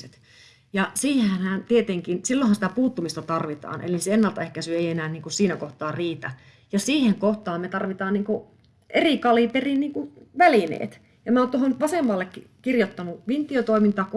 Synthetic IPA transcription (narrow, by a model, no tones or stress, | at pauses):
et̪ | jɑsiːhehænhænt̪iet̪eŋkinsilːohɑnsĭ̥t̪æpuːt̪ːumist̪ɑt̪ɑrʋit̪ɑ̰ːnʔḛliseenːɑlt̪ɑehkæsyeienæːnniːŋkussiːnækoht̪ɑːrriːt̪æ | jɑsiːheŋkoht̪ɑːmmet̪ɑrʋit̪ɑːnniːŋku | ʔeriˑkɑliˑp̪erinniːŋkuʋælinḛːt̪ | jɑmæoːnt̪ohonʋɑsemːɑːlːekːi | kirjot̪ːɑnuʋint̪iot̪oimint̪ɑːk